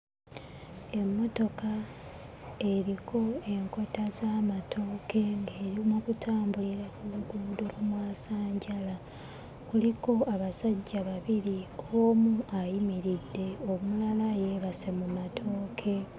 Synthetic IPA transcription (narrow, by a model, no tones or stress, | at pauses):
e̞mːo̞to̞ka | e̞ɾikʰo̞e̞ŋko̞tazamatʰo̞ːkʰe̞ŋɡeːɾimukutʰaːmbuliɾekuluɡuːdulumwaːsaːɲɟala | kuliko̞aβasaɟːaβaβiɾiomuajimiɾidːe̞omulalaje̞βase̞mumatʰo̞ːkʰe̞